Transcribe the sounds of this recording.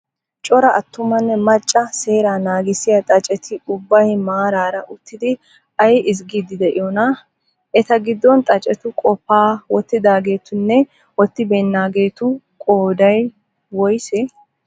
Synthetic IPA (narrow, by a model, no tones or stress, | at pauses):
t͡ʃʼɔɾɐʔɐt̪ːʊmɐnːɛmɐt͡ʃʼːɐseːɾanaːɡɪsɪjɐt̪ʼɐt͡ʃʼɛt̪ʰɪʊbːɐjmaːɾaːɾɐʔʊt̪ːɪd̪ɪ | ʔɐjʔɪz̬ɡiːd̪ɪd̪ɛʔɪ̰jɔnɐ | ʔɛt̪ɐɡɪd̪ːɔnt̪ʼɐt͡ʃʼɛt̪ʊkʼɔpːaːwɔt̪ːɪd̪aːɡe̞ːt̪ʊnːɛ | wɔt̪ːɪbɛnːaːɡeːt̪ʊ | kʼoːd̪ɐj | wɔjsɛ